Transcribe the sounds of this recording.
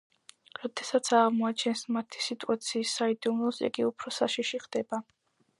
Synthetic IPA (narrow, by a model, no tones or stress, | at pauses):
ɾɔd̪̥ɛsat̪sʰaʁmɔat͡ʃʰɛnsmat̪ʰi̥sit̪ʼuat̪sʰiːsaid̪umˠɔsḭɡiupʰɾɔsaʃiʃiχd̪̥ɛba